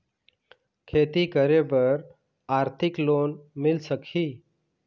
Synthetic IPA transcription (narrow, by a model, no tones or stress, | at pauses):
kʰet̪ikəɾebəɾ | aɾt̪ʰɪklonmɪlsəkʰiː